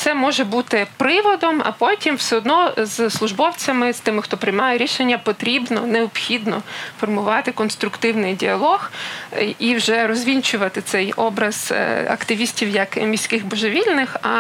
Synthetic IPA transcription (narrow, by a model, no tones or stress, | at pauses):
t̪sɛmɔʒɛbut̪ɪpɾɪʋɔd̪ɔmɐ̰pɔtʲimwsʲɛɔd̪nɔzslˠʊʒbɔwt͡sʲɐmɪz̥t̪ɪmɪxt̪ɔpɾɪjmɑjɛɾʲiʃenʲːɐpɔt̪ɾʲibnɔneɔpxʲid̪nɔ̰fɔrmʊʋɑt̪ɪkɔnst̪ɾʊkt̪ɪwnɪjdʲiɐlˠɔx | iwʒɛɾɔzʲʋʲinʲt͡ʃʊʋɐt̪ɪt̪sɛjɔbɾɐz̥̰ɐ̰kt̪ɪʋʲisʲtʲiwjɐkmʲisʲkɪɣbɔʒeʋʲilʲnɪxɐ